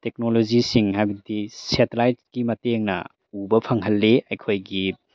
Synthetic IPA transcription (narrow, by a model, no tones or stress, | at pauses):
tek̚nolozisiŋɦajbɐdisetlajtskimɐteŋnɐ̰ | ubɐpʰɐŋɦɐlːeajkʰojɡi